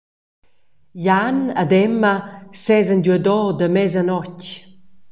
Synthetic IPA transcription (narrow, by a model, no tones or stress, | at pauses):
janad̪ɛməsɛzənɟuəd̪ɔd̪əmɛzanɔc